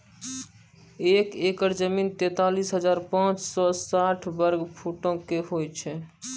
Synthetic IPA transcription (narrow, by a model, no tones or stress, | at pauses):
ekekəɾd͡ʒəmint̪ɛt̪alisɦəd͡ʒaɾpãt͡ʃsɔsaʈʰbəɾɡpʰoʈõkeɦojt͡ʃʰɛ